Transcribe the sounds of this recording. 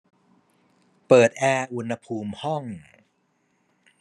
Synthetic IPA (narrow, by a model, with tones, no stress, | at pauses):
pɤː˨˩t̪̚ʔɛː˧ʔu˧nha˧pʰuː˧mhɔ˥˩ŋ